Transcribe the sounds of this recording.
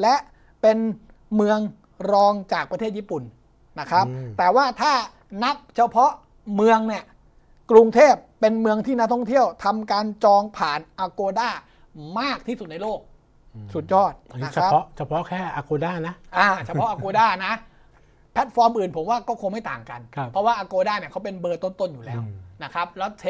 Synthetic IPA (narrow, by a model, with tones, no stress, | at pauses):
lɛ˦˥ʔ | pe˧n | mɯ˧əŋ | ɾɔː˧ŋt͡ɕaː˨˩k̚pɾʰeː˥˩t̪̚jiː˥˩pu˨˩nː | na˦˥kʰɾa˦˥p̚t̪ɛː˨˩waː˥˩t̪ʰaː˥˩ | na˦˥k̚t͡ɕʰa˧pʰɔ˦˥ʔ | mɯ˧əŋni˥˩əʔ | kɾu˧ŋt̪ʰeː˥˩pːe˧nmɯ˧əŋt̪ʰiː˥˩na˦˥t̪ʰɔ˥˩ŋt̪ʰi˥˩əwt̪ʰa˧mkaː˧nt͡ɕɔː˧ŋpʰaː˨˩nʔaː˧koː˧daː˥˩ | maː˥˩k̚t̪ʰiː˥˩su˨˩t̪̚na˧jloː˥˩k̚ | su˨˩t̪̚jɔː˥˩t̪̚ʰɾa˦˥pʰɔ˦˥t͡ɕʰa˧pʰɔ˦˥kʰɛː˥˩ʔaː˧koː˧daː˥˩na˦˥ʔʔaː˧˩t͡ɕʰa˧˥pʰɔ˦˥ʔa˧koː˧daː˥˩na˦˥ʔ | pʰɛ˦˥t̪̚fɔː˧mʔɯː˨˩npʰo˩˦mwaː˥˩kɔː˥˩kʰo˧nma˥˩jt̪aː˨˩ŋka̰˧nʰ˦˧pʰɔ˦˥waː˥˩ʔaː˧koː˧daː˥˩ni˥˩kʰa˦˥wp̬e˧nbɤː˧t̪o˥˩nt̪o˥˩njuː˨˩lɛː˦˥wna˦˥kʰɾa˦˥p̚lɛː˦˥wt̪ʰe˦